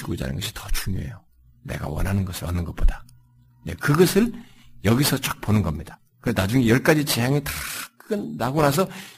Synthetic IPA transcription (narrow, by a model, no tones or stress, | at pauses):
iɡod͡ʑa̰nɯ̰nɡʌɕʰi̥tʌt͡ɕuŋɲo̰ɦḛjo | ne̞̰ɡa̰wʌ̰nɦanɯnɡʌsʰɯɾʌnːɯnɡʌp͈od̥a | nḛkɯɡʌsʰɯɭ | jʌɡisʰʌt͡ɕ͈ʌk̚p͈onɯnɡʌmɲid̥a | kɯenad͡ʑuŋejʌɭk͈ad͡ʑit͡ɕejaŋetɯ̥kɯnːaɡonas̬ʰʌ